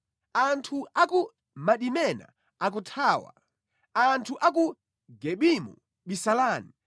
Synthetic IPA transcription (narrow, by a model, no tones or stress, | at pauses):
antʰuaku | maɗimɛna̰ | ak̬utʰaːwa̰ | antʰuʔak̬u | ɡɛɓimṵ | ɓisalaːni